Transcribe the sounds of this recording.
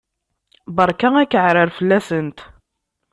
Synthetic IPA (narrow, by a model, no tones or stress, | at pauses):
bəɾˤkæækːəʕɾəɾfəlːæsənt̪